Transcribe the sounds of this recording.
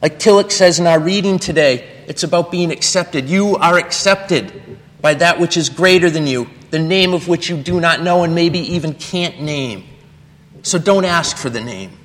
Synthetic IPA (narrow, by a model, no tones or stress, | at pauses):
laɪk̚tʰɪlˠəksɛzɨ̃naʊə˞ɹiɾɪ̃ŋtʰɨdeɪ | ɨtsɨbaʊt̚b̥iɪ̃ŋɨksɛp̚tɨdjɨə˞ɨksɛp̚tɪd̚ | b̥aɪðɨʔwɨt͡ʃɨzɡɹeɪɾə˞ðɨ̃njɨðɨnẽɪ̃mʌvwɨt͡ʃjɨdɨnətⁿnoʊə̃nmeɪbiʔivɨ̃nkʰæ̃nːẽɪ̃m | soʊdõʊ̃ntæskfə˞ðɨnḛ̃ɪ̃m